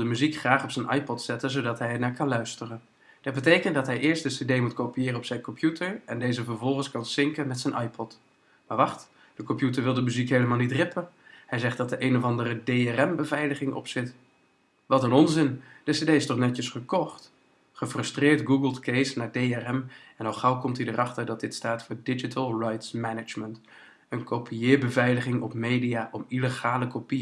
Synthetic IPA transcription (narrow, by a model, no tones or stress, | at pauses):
dəmyzikχraːχɔpsɛjnʔɑ̰jpɔtsɛtənzowdɑtɦɛjɛɹnaːɹkɑnlœɥstərən | d̥ɑt̚bətejkəntdɑtɦɛjʔɪːɹstdəsedejmutkowpijɪːrənɔpsɛjnkɔmpʰjutʰəɹɛndejzəvəɹvɔlˠχənskɑnsɪŋkənmɛtsɛjnʔɑjpɔt | maːɹʋɑχt | d̥əkɔmpjutəɹʋɪlˠdəmyzikɦejləmaːlˠnitrɪpənhɛjzɛχ̚d̥ɑt̚dəʔejnɔvɑndərədejɛrɛmbəvɛjləχɪŋʔɔ̰psɪt | ʋɑtənɔnzɪnd̥ɛsedejɪstɔχnɛtjəsχəkɔχt | χəfrɵstrɪːɹdɡuɡəlˠtkejsnaːɹdejɛrɛm | ɛnɔlˠχʌwkɔmtidərʔɑχtəɹdɑt̚dɪtstaːtfʊːɹdɪd͡ʒitəlˠrajtsmɛnəd͡ʒmənt | ənkowpʰiɪːɹbəvɛjləχɪŋɔpmejdijaːʔɔmiləχaːləkopi